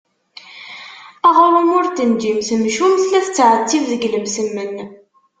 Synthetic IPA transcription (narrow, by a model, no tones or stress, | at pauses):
æʁʊɾˤʊmʊɾt̪ːənd͡ʒimsmʃumθlæθət͡sːʕət͡sːivðəɡləmsəmːən